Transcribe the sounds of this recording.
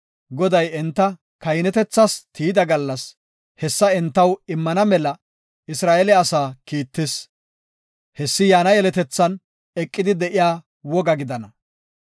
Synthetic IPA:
ɡɔd̪ɐjɛnt̪ːɐ | kɐjnɛt̪ɛt͡sːɐst̪ʰiːd̪ɐɡɐlːɐs | hɛsːɐɛnt̪ːɐwɪmːɐnɐmɛlɐ | ɪsɾaːʔɛlɛɐsaːkiːt̪ːɪs | hɛsːɪjaːnɐjɛlɛt̪ɛt͡sːɐn | ɛkʼːɪd̪ɪd̪ɛʔɪjaː | wɔɡɐɡɪd̪ɐnɐ

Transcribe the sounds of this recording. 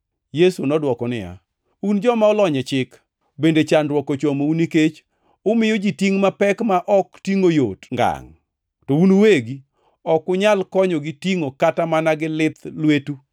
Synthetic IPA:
jesunɔdwɔkɔnɪ̰ja̰ | und͡ʒɔmaʊlɔɲɛt͡ʃɪk | bendet͡ʃandwɔkɔt͡ʃomouniket͡ʃ | ʊmɪjod͡ʒitiŋmapɛkmaʔɔktiŋojo̰tŋɡa̰ŋ | tɔunuweɡi | ɔkʊɲalkɔɲoɡitiŋokatamanaɡɪlɪt̪lwetu

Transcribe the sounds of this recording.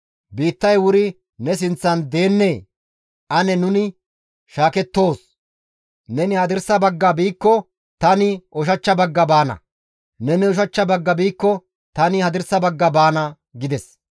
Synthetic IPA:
biːt̪ːɐjwʊɾɪ | nɛs̬ɪnt͡sːɐnd̪e̞ːnːeː | ʔɐnɛnʊnɪ | ʃaːkɛt̪ːo̞ːs | nɛnɪhɐd̪ɪɾsɐbɐɡːɐbiːkːɔ | t̪ɐnɪʔɔʃ̬ɐt͡ʃːɐbɐɡːɐbaːnɐ̰ | nɛnɛʊʃ̬ɐt͡ʃːɐbɐɡːɐbiːkːɔ | t̪ɐnɪhɐd̪ɪɾsɐbɐɡːɐbaːnɐ | ɡɪd̪ɛs

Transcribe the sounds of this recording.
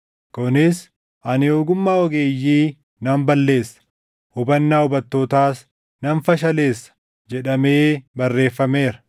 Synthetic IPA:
kʊnɪs | ʔɐnɪjoːɡʊmːaːɔɡe̞ːjːiː | nɐmbɐlːe̞ːsːɐ̥ | hʊbɐnːaːʊbɐt̪ːoːt̪aːs | nɐnfɐʃ̬ɐle̞ːsːɐ̥ | d͡ʒɛᶑɐme̞ːbɐrːe̞ːfːɐme̞ːɾɐ

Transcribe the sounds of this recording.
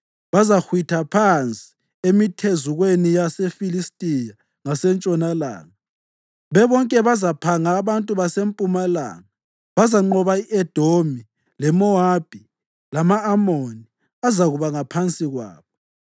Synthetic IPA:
βazaxwitʰapʰant͡sʼi̥ | emitʰezuɣwenijasefilistʼija | ŋasɛnt͡ʃʼɔnala̰ːŋa | βɛβɔŋkʼɛβazapʰaŋaːβantʼuβasempʼumala̰ːŋa | βazaŋ͡ǃɔβaiʔɛd̥ʱomi | lɛmɔab̥ʱi | lamaːmoni | azaɣuβaŋapʰant͡sʼiɣwa̰ːβɔ

